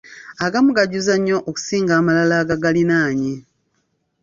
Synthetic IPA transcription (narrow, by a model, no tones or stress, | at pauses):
aɡamuɡaɟuzaɲːo̞ʔoku̥siːŋɡaːmalalaːɡaɡalinaːɲi